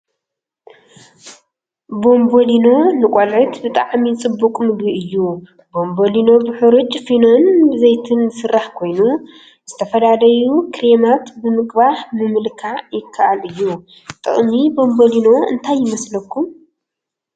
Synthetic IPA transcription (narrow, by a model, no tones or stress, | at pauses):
bo̞mbo̞lino̞nɨkʷʼolʕɨt̪bɨt̪ʼaʕmit͡sʼɨbːukʼmɨɡɾiɨjːu | bo̞mbo̞lino̞bɨħɨɾut͡ʃʼfino̞nbɨzejt̪ʰɨnːsɨrːaħkʰo̞jnu | z̥ɨt̪ʰɐfɐd̪alɐjukʰɾemat̪bɨmɨkʼbahmɨmɨlkʰaʕjɪkʰːaʔalɨjːu | t̪ʼɨ̰χʼmibo̞mbo̞lino̞ɨ̰nt̪ʰajːɪmɐslɐkʰːum